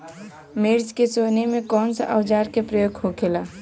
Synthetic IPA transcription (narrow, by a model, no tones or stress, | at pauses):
meɾd͡ʒkesonemẽkɔːnsaʔəʋd͡ʒaːɾkepɾəjoːɡɦokʰelaː